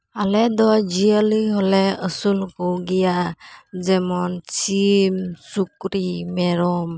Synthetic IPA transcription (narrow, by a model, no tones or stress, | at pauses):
alɛd̪ɔjd͡ʒijəlɯjɦɔlɛəsulkɔɡijad͡ʒɛmɔnt͡ʃimsukɾimɛɾɔm